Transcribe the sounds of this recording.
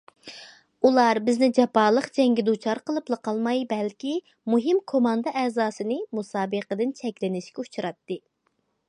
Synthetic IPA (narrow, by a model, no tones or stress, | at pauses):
ulˠɑɾbɪznɪd͡ʒɑpɑːlˠəqd͡ʒɛŋɡʲɛd̪ut͡ʃʰɑɾqəlˠɨplˠəqʰɑlˠmɑjbɛlkʲi | muɦɨmkʰomɑnd̪ɨʔɛːzɑːsɨnɨmusɑːbəqəd̪ɨnt͡ʃʰɛkʲlɪnɪʃkʲɛut͡ʃʰuɾɑt̪ːɨ